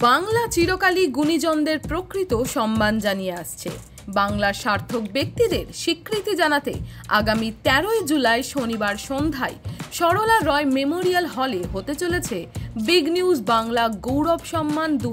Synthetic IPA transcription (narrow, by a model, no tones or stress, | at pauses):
baŋlat͡ɕiɾokaliɡunid͡ʑɔnd̪eɾpɾokɾit̪oʃɔmːand͡ʑanijeaʃt͡ɕʰḛ | baŋlaɾʃaɾt̪ʰok̚bek̚t̪id̪eɾʃikɾit̪id͡ʑanat̪ḛa̰ɡamit̪ɛɾoed͡ʑulaeʃonibaɾʃond̪ʱaeʃɔɾolaɾɔememoɾialɦɔleɦot̪et͡ɕolet͡ɕʰebiɡniud͡ʑbaŋlaɡowɾɔbʃɔmːand̪u